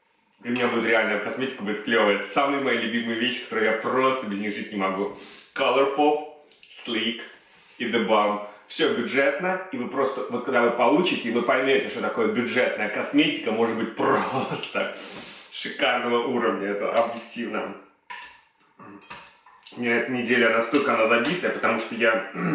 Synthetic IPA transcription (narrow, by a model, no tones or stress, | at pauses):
d̪lʲɪmʲɪnʲabud̪ʲʊt̪ʲɾʲɪalʲnəjɛkɐsmʲetʲɪ̥kəbudʲɪt̪klʲovəjət̪samɨjəmɐjalʲʉbʲimɨjʊvʲeɕːkɐ̥t̪o̞ɾʊjjapɾo̞st̪əbʲɪzʲnʲixʐɨtʲnʲɪmɐɡukalˠərpop | slʲik | id̪ɨbamfsʲobʲʊdʐɛt̪nəjəivɨpɾo̞st̪əvot̪kaɡd̪avɨpɐlˠut͡ɕɪtʲɪvɨpɐjmʲotʲɪʂt̪ot̪ɐko̞jəbʲʊʐɛt̪nəjəkɐsmʲetʲɪ̥kəmo̞ʐɨd̪̚bɨt̚ʲpɾost̪ə | ʂɨkarnəvəʔuɾəvnʲəɛt̪əʔɐbjɪk̚tʲivnə | nʲɛt̪nʲɪdʲelʲɪɐnast̪o̞lʲkəɐnazɐbʲit̪əjəpət̪ɐmuʂt̪oja